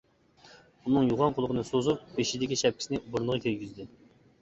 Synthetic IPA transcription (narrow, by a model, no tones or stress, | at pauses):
unɨŋjuʁɑnqʰʊlˠəqʰənɨsozup̚beʃid̪ɪkʲiʃɛp̚kʲi̥sɪnɪbʊɾnəʁɑkʲʰeɾɡʲizd̪ɪ